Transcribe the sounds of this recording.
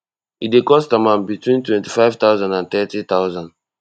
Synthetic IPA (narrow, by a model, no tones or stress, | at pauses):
idekɔstamãnbitwĩntwɛ̃nti̥faɪv̥t̪aʊzãndãnt̪ɛtit̪aʊzãnd